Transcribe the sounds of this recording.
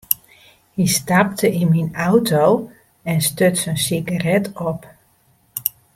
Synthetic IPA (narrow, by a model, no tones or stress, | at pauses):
histap̚tʰəʔinminawtʰow | ɛnstøtsənsiɡarɛtʰɔp